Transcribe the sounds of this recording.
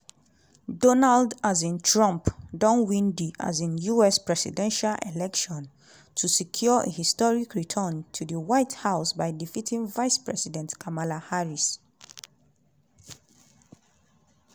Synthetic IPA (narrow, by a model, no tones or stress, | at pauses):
dɔnaldazĩntʰɹɔ̃mpdɔ̃nwĩndiʔa̰zɛ̃njuɛspɹɛsḭdɛ̃nʃalʔḛlɛkʃɔ̃n | tʰusikʰjɔʔḛhistɔɹikʰɹitʰəntʰudəwaɪthaʊsbaɪdifitʰĩŋvaɪspɹɛsidɛ̃ntkʰamalahaɹis